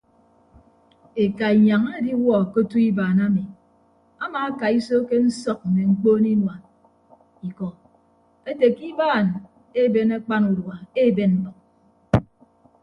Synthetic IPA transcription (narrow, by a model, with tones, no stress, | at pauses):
e˨ka˨i˨ɲa˨ŋa˦di˦wɔ˦˨ko˦tu˦i˦baː˨na˦mi˨ | a˦maː˨a˦ka˨i˦so˦ke˦n̩˦sɔ˦k̚m̩˨me˨ŋ͡m̩˦k͡poː˦ni˦nwa˨n | i˨kɔ˨ | e˦te˨ki˦baː˦˨n | e˦be˦na˦k͡pa˦nu˨dwa˨e˦˨be˦nn̩˦bɔ˨k̚